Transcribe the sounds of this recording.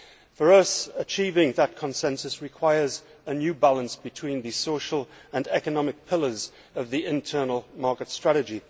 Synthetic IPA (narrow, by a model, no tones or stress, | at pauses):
fəɹʌsət͡ʃʰiːvɪ̃ŋðət̚kʰə̃nsɛ̃nsəsɹɪkʰw̥aɪəz | ənjʉːbalˠə̃nsb̥ɨtʰw̥ĩnðɨsoʊʃəlˠə̃nɛkənɒmɪk̚pʰɪlˠə˞z | ʌvðiɪ̃ntʰɜ˞nəl̩ˠmɑˑkɨtstɹ̥aɾɨd͡ʒi